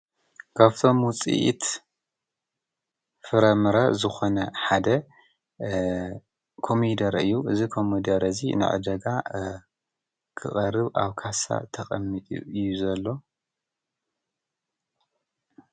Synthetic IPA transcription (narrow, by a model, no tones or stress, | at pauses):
kʰaβt̪ʰo̞mwʊt͡sʼḭʔḭt̪ | fɨɾɐmɨɾɐzɨxo̞nɐħad̪ɐ | kʰo̞mid̪ɐɾɨjːuʔɨzikʰomid̪ɐɾɐzinɨ̰ʕɨ̰d̪ɐɡa | kʰɨχʼɐrɨβʔa̰βkʰasa̰t̪ʰɐxʼɐmːit̪ʼṵɨjːuzɐlːo̞